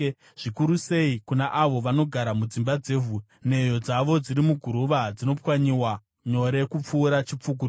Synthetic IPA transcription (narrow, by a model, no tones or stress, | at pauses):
ʐ̥ikuɾuse̞ikunaʔaʋo̞ʋano̞ɡʱaɾamud͡zimbad͡ze̞ːvu | ne̞jo̞d͡zaʋo̞d͡ziɾimuɡʱuɾuʋad͡zino̞pwaɲiwa | ɲo̞ɾe̞kup͡fuːɾat͡ʃip͡fuːk̬u